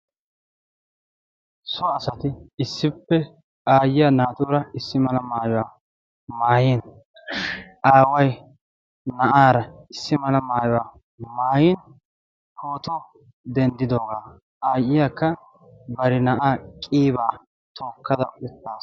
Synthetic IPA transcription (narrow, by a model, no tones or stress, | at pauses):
sɔɐsɐt̪ɪɪsːɪpːɛ | aːjɪjanaːt̪uːɾɐɪsːɪmɐlɐmaːjʊwaː | maːjin | ʔaːwɐj | nɐʔaːɾɐɪsːɪmɐlɐmaːjɔwaː | maːjɪn | hʰoːt̪ɔ | d̪ɛnd̪ɪd̪o̞ːɡaː | ʔaːjɪjakːɐ | bɐɾɪnɐʔaːkʼiːbaː | t̪ʰoːkːɐd̪ɐ̰ʊt̪ːaːs